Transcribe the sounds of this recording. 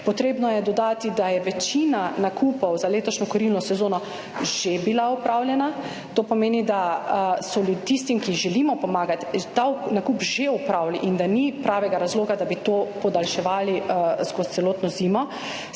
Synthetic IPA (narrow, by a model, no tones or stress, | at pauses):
pɔt̪ɾeːbnɔjɛd̪ɔd̪aːt̪id̪ajɛʋɛt͡ʃiːnanakʰuːpɔwzaleːt̪ɔʃnɔkɔɾilnɔsɛzoːnɔ | ʒ̥ebilaupɾaːwljɛna | t̪oːpɔmeːnid̪asɔlut̪ist̪imkiʒɛlimɔpɔmaːɡat̪t̪anakupʒeupɾawliʔind̪anipɾaːʋɛɡaɾazloːɡad̪abit̪oːpɔd̪alʃɛʋaːlizɡot̪sɛloːt̪nɔziːmɔ